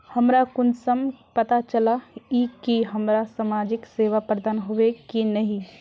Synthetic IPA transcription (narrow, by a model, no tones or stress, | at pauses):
hɐmɾakʊnsəmpɐt̪at͡ʃəlaiːkːiɦɐmɾasamaːd͡ʒɪkseːʋapɾəd̪aːnɦoʋekinɐɦĩ